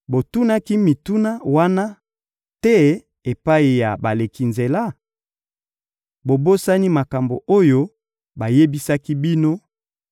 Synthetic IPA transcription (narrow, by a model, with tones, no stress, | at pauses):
bo˨tu˦na˦ki˦mi˨tu˦na˦wa˦na˦ | tɛ˦ | e˨pa˦i˨ja˨ba˨le˨ki˨nze˨la˦ | bo˨bo˦sa˦ni˦ma˨ka˨mbo̰˨ʔo˦jo˦ | ba˨je˦bi˦sa˦ki˦bi˦no˦